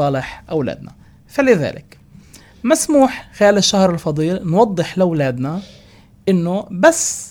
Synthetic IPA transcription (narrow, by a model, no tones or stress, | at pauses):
ɑːlɪħʔawla̰ːd̪na̰ | falɪða̰ːlʔɪ̰k | masmuːħxɪjaːlɪʃːahɾˤɪlfɑd̪ˤiːlnwɑd̪ˤːɨħlɪwlaːd̪na | ʔɪnːʊbasː